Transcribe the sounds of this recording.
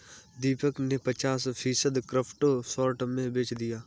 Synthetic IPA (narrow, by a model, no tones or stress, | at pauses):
d̪iːpəknepət͡ʃaːspʰiːsəd̪kɾɪpʰʈosɔːɾʈmẽbeːt͡ʃd̪ijaː